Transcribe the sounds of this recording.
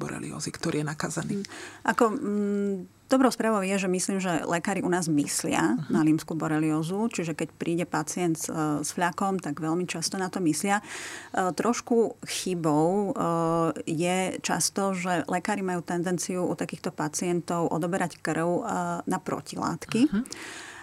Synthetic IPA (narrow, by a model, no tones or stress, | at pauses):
bɔ̰ɾɛ̰lḭɔ̰zikt̪ɔɾḭːjɛnakaːzaniːʔakɔ | d̪̥ɔbɾɔʊspɾaːʋɔʊjɛʒɛmisliːmʒɛlɛkaːɾiʔunaːzmislɪa̰naliːmskubɔɾɛliɔːzut͡ʃiʒɛkɛcpɾʔiːɟɛpat͡sɪɛnt̪sfʎakɔmt̪aɡʋɛlmit͡ʃast̪ɔnat̪ɔmislɪa | t̪ɾɔʃkuxibɔʊ | jɛt͡ʃa̰st̪ɔʒɛlɛkaːɾimajuːt̪ɛnd̪ɛnt͡siuṵt̪akiːxt̪ɔpat͡sɪɛnt̪ɔʊʔɔ̰d̪ɔbɛɾackr̩ʊnapɾɔ̰cila̰ːt̪ki